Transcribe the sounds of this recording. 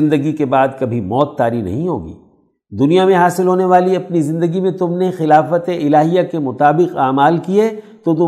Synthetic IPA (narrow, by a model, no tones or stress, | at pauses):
ɪ̃nd̪əɡikebaːd̪kɐbʱimɔːt̪ːaːɾinɐ̰ɦĩɦo̰ːɡḭː | d̪ʊnijamẽɦaːsɪlɦoːneʋaːliɐpnizɪ̃nd̪əɡimẽt̪ʊmnexɪlaːfət̪eɪlaːɦijakemʊt̪aːbɪqaːmaːlkiet̪ot̪̬ʊ